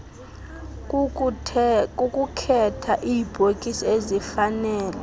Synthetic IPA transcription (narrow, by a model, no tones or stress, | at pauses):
kʼukʼukʰɛtʰaʔiːb̥ʱokʼisɔezifanɛːlɛ